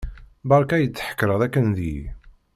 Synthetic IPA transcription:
bɑɾˤkæjət͡sːħə̥kːɾˤəðˤækːənði

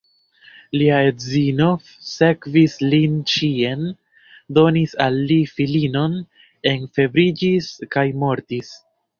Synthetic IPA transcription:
liaezino̞ | se̞kvislint͡ʃie̞n | do̞nisalːifilino̞n | e̞nfe̞bɾid͡ʒiskajmo̞ɾtis

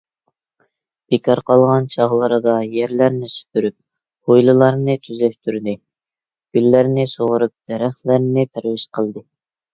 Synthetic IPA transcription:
d̪̥ekʰɑɾqɑlˠʁɑnt͡ʃʰɑʁlˠəɾɨd̪ɑjɛɾlæɾnɪsy̥p̪ʰyɾyp̚ | hojlˠɨlˠɑɾnɨt̪ʰyzlɛp̚t̪ʰyɾd̪ɨ | ɡ̥ʲylːæɾnɪsoʁʊɾup̚d̪̥ɛɾæχlæɾnɪt̪ʰæɾwɪʃqʰəlˠd̪ɨ

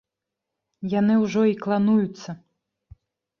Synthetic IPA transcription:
janɨwʐɔiklˠanujut̪sːɐ

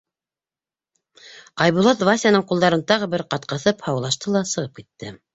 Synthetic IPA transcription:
ɑjβulˠɑt̪vasʲjanɤɴqulˠd̪ɑɾɤnt̪ɑʁɤ̆βɘɾqɑt̪̚qɤ̆θɤphɑwlˠɑʃt̪ɤlˠɑsɤ̆ʁɤp̚kit̪ːɘ

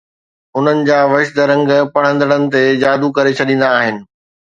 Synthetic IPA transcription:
ʊn̤ənɪ̆d͡ʑaːʋɐʃd̪əɾɐ̃ŋɡpɐɽ̤̃ə̃nd̪əɽənɪ̆t̪ed͡ʑaːd̪ukɐɾet͡ɕʰɐɗĩːn̆d̪aːɦɪnɪ̆

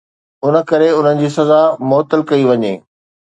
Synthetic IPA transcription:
ʊnə̆kɐɾeʊn̤ənɪ̆d͡ʑiːsɐzamʊɦt̪əlkɐiʋɐɲḛː

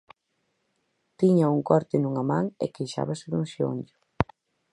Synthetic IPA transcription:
t̪iɲɐuŋkɔɾt̪ɪnuŋɐmaŋɛ̰kejʃa̰βɐsɪðuŋʃio̰ɲɟʊ

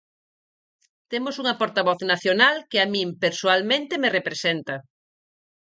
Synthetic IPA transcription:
t̪emosuŋɐpoɾt̪aβɔθnaθjonalkeamĩmpeɾsoalmẽnt̪emerepɾesent̪ɐ

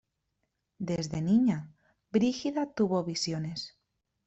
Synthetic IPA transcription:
d̪ezðe̞niɲa | bɾixiðat̪uβo̞βisjone̞s

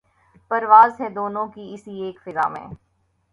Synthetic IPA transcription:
pɐɾʋaːzɦɛd̪oːnõkiɪsieːkfɪza̰ːmḛ̃ː

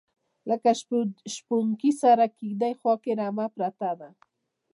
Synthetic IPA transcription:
lakaʃpʊŋkisaɾakɪɡd̪ajxwakeɾamapɾat̪ad̪a

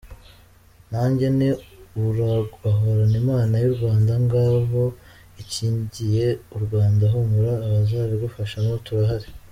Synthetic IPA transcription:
naːɲɟe̞ne̞uɾaɡaɦoɾanimaːnajuɾɡwaːndaŋɡaːβo̞ | iciːɲɟije̞uɾɡwaːndaɦumuɾaːβazaβiɡufaʃanotuɾaɦaɾe

